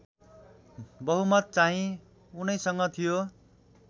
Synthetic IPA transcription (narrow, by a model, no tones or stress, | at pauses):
bʌɦumʌt̪̚t͡saɦĩ | unʌjsʌŋɡʌt̪ʰijo